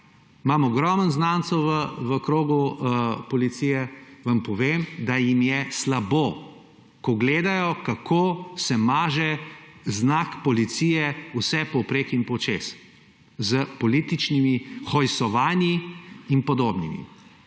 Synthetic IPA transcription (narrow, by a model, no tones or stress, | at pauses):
mamɔɡɾɔmənznaːnsɛwʋəʋəkɾoːɡupɔlit̪sijɛʋampɔʋemd̪ajimjɛslabo | kɔɡleːd̪ajɔkakʰoːsɛmaːʒɛznakpɔlit̪sijɛusɛpɔupɾekimpɔt͡ʃeːs | zəpɔlit̪it͡ʃnimixɔjsɔʋaːnjiinpɔd̪oːbnḭmḭ